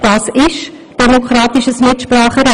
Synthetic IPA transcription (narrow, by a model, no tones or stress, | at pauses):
d̥ɑːsɪʃ | d̥ɛmokrɑːtiʃəsmɪtʃprɑːχəɾɛ